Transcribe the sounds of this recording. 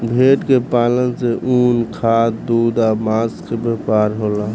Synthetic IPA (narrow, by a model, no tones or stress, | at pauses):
bʱeʈkepalənseʔunkʰat̪d̪ud̪amaskebepaɾɦola